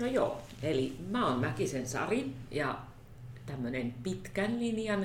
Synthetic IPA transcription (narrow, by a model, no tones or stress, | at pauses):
nojo̰ː | elimæonmækisensɑ̰rinjɑ | t̪æmːønenpit̪kænlinjɑn